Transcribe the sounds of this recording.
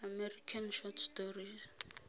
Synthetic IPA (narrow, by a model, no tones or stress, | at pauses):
amɛɾikʰanʃɔtstɔɾi